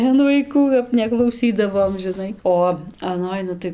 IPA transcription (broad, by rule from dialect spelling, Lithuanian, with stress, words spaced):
ɐn ʋɐɪˈkuː kɐp nʲɛklˠɐʊˈsʲiːdɐʋoːm ʒʲɪˈnɐɪ ˈoː ɐˈnoːj ˈnʊ tɐɪ